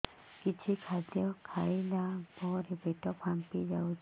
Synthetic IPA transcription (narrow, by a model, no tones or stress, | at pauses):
kit͡ʃʰikʰad̪jɔkʰaɭilabɔɾebeʈɔpʰampid͡ʒawt͡ʃʰ